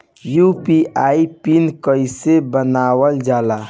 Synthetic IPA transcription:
jupiʔaipinkəɪsebənaːwəld͡ʒaːla

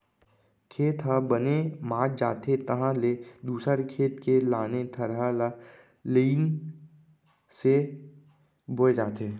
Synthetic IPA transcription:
kʰeːt̪ɦabənemaːɾd͡ʒa̰ːt̪et̪əɦãled̪uːsəɾkʰeːt̪kelaːnet̪ʰəɾɦala | liːn | se | boed͡ʒaːt̪eː

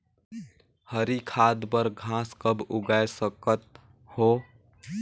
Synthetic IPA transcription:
həɾikʰaːd̪bəɾɡʱãːskəbʊɡaesəkət̪̚ | hoː

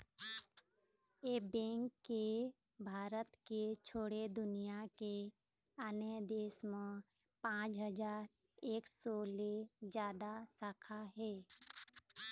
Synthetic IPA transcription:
jeːbɛ̃ːŋkːe | bʱaːɾət̪ket͡ʃʰoːɽed̪ʊnijake | aned̪eːsmẽ | pãːt͡ʃɦəd͡ʒaːɾ | eːksɔled͡ʒjaːd̪asaːkʰaɦɛː

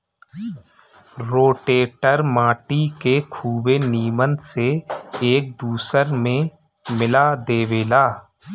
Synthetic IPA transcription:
ɾoːʈeːʈəɾmãːʈikekʰuːbeniːmənseeːk̚d̪uːsəɾmẽ | mɪlad̪eːweːlaː

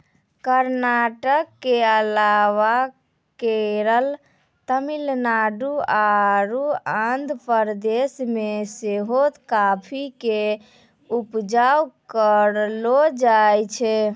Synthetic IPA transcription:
kəɾnaʈəkːeəlawa | keɾəl | t̪əmilnaɖuaɾuãnd̪pəɾd̪esmeseɦot̪kapʰike | upd͡ʒawkəɾlod͡ʒajt͡ʃʰɛ

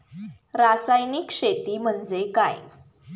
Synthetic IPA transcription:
ɾasajnikɕet̪iːm̤əɳd͡zeka̰j

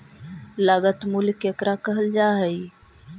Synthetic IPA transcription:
laːɡət̪mulkeːkɾakəɦəld͡ʒaːɦəi

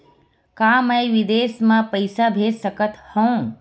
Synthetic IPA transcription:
kaːməjʋid̪eːsmãpəɪsabʱeːssəkət̪hə̃ũ

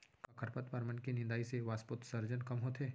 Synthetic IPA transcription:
kɐkʰəɾpət̪pɐɾmənkinɪ̃nd̪aːiseʋaːspʊt̪sɐɾd͡ʒənkɐmɦoːt̪eː

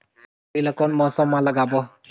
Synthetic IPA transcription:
ilakɔnmɔsɔmalaɡabɔ

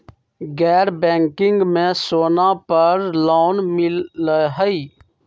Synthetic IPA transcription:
ɡɛːɾbɛ̃ːŋkɪ̃ŋɡmẽsoːnapəɾlaːnmɪlɦəi

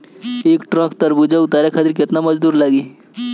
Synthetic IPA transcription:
eːkʈɾə̃kt̪əɾbud͡ʒaut̪aɾekʰat̪iɾkɪt̪naməd͡ʒd̪uːɾlaːɡiː

